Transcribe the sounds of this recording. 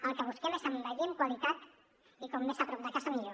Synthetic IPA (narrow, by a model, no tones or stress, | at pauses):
əlˠkəβ̞uskemesambaʎeŋkwalit̪at̪ | ikɔmdesapɾɔp̚d̪əkazamiʎo